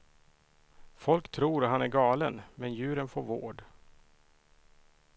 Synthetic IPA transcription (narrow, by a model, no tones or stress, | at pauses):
fɔlkt̪ʰɾuːɾat̪hanæɾɡɑːlənmɛnjʉ̟ːɾənfoːɾvo̰ːɖ